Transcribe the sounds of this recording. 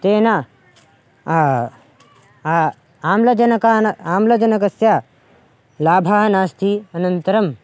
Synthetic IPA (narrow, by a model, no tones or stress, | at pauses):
t̪eːna | aːmlɐd͡ʒɐnɐkanaːmlɐd͡ʒɐnɐkɐsja | laːbʱaɦɐnaːst̪ʰiɐnɐnt̪ɐɾɐm